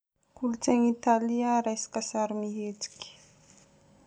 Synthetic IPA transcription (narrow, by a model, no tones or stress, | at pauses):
kulut͡seŋit̪aliaɾajsi̥kasaɾimiɦet͡si̥kʲi̥